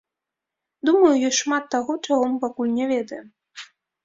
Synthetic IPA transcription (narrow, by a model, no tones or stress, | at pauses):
d̪umɐjujɔjʂmat̪ːaɣɔt͡ʂaɣɔmɨpakulʲnʲɛvʲɛd̪ɐjɛm